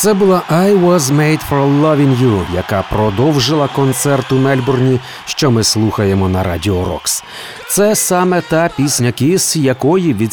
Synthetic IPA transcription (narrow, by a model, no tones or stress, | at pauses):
t̪sɛbʊlˠɑʔajwɔzmejd̪fɔɾlˠɐʋʲɪŋjujɐkɑpɾɔd̪ɔwʒɪlˠɐkɔnt̪sɛrt̪ʊmɛlʲbɔrnʲi | ʃt͡ʃɔmɪslˠuxɐjemɔnɐɾɑ̰dʲiɔɾɔ̰ks | t̪sɛsɑmɛt̪ɑpʲisʲnʲɐkʲisjɐkɔjiʋʲi